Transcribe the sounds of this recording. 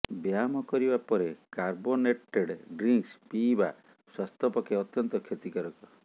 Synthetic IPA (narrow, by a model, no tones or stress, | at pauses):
bjamɔkɔɾibapɔɾekaɾboneʈeɖɖɾiŋkspiːba | swast̪ʰɔpɔkʰeɔt̪jɔnt̪ɔkʰet̪ikɔɾɔkɔ